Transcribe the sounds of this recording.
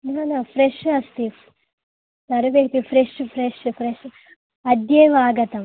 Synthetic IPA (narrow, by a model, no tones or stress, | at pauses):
naːnaːfɾeʃɐst̪i | t̪ɐɾɐʋekt̪ifɾeʂfʰɾeʂfɾeʂ | ɐd̪jeʋaːɡɐt̪ɐm